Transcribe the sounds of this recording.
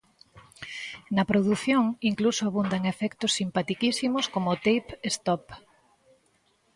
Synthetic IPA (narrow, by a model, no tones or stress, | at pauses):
nɐpɾoðuθjoŋiŋklusoaβund̪aŋefɛkt̪ʊsːimpat̪ikisimʊskomot̪ejpest̪ɔp